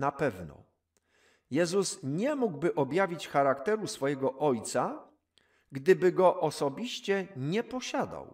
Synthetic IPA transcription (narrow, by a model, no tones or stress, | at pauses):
napɛvnɔ̰ | jɛzusɲɛmuɡbɘʔɔbʲjavʲit͡ɕxaɾakt̪ɛɾusfɔjɛɡɔʔɔjt̪sa | ɡd̪ɘbɘɡɔʔɔsɔbʲiɕt͡ɕɛɲɛpɔɕad̪a̰w